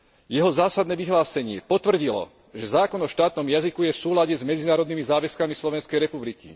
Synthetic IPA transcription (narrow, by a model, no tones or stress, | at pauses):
jɛɦɔzaːsad̪nɛːʋiɦlaːsɛɲɪɛpɔt̪ʋr̩ɟilɔ̰ | ʒɛzaːkɔnɔʃt̪aːt̪nɔmjazikujɛfsuːlaɟɛzmɛd͡zinaːɾɔd̪nimizaːʋɛskamislɔʋɛnskɛjɾɛpublikḭ